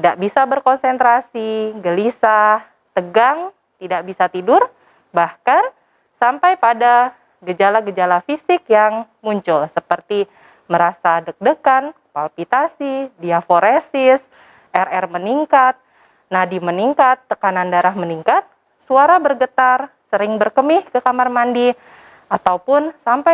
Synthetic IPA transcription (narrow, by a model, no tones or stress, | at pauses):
t̪idaʔbisabərkɔnsɛnt̪ɾasiɡəlisa | t̪əɡaŋ | t̪idaʔbisat̪idʊr | bahkan | sampajpada | ɡəd͡ʒalaɡəd͡ʒalafisɪkjaŋ | muɲt͡ʃʊlsəpərt̪i | məɾasadək̚dəkan | palpit̪asidiafoɾesɪs | ʔɛrɛrməniŋkat̪̚ | nadiməniŋkat̪ːəkanandaɾahməniŋkat̪̚ | suaɾabərɡət̪arsəɾɪŋbərkəmɪhkəkamarmandi | at̪awpʊnsampa